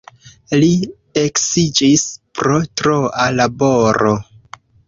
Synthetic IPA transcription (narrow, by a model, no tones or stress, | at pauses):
li | eksid͡ʒispɾo̞tɾoalaboɾo